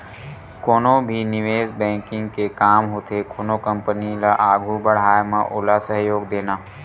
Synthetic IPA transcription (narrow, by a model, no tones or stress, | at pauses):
koːnobʱinɪʋeːzbɛ̃ːkɪ̃ŋɡkekaːmɦʊt̪ʰekoːnokə̃mpənilaʔaːɡʱubəɽ̤aːemã̰ʔʊːlasəɦjoːɡd̪eːnaː